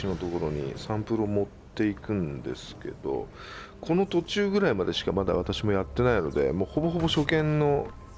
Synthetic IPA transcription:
ino̞t̪o̞ko̞ɾo̞ɲ̟ḭsãmpɯ̟ɾomo̞t̪ːe̞ikɯ̟̃nd̪e̞̰sɨ̥ke̞̰d̪̥o̞̰ | kʰo̞no̞t̪o̞t͡ɕɨːɡɯ̟ɾaimad̪e̞ɕi̥kamad̪a̰β̞at̪aɕimo̞jat̪ːe̞naino̞d̪e̞̰moːho̞bo̞ɦo̞bo̞ɕo̞kẽ̞nːo̞

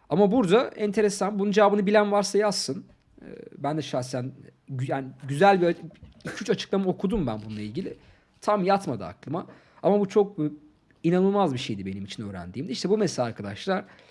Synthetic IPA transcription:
amabuɾd̪aɛnt̪ʰe̞ɾesanbunund͡ʒaaːbɯnɯbilʲænvaɾsajasːɯn | ɯ̰bænd̪ɛʃasæn | jaːniɟyzælʲbiacʰyt͡ʃat͡ʃʰɯ̥klˠamao̞kʰud̪umbænbununˠailʲɟilʲɪ | t̪ʰamjat̪mad̪aa̰klˠɯma | amabut͡ʃʰok̚ | inanɯlˠmazbiʃe̞jd̪ibe̞nimit͡ʃʰinøːɾæ̰nd̪iːmd̪iiʃt̪ʰɛbumesʲaɾkʰad̪aʃlˠaɾ̥

